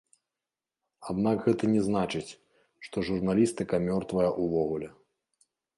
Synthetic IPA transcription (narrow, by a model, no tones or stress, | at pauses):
ad̪nakɣɛt̪ɐnʲɛznat͡ʂɨt͡sʲ | ʂt̪ɔʐurnalʲist̪ɨkɐmʲɔrt̪vɐjɐʔuvɔɣulʲɛ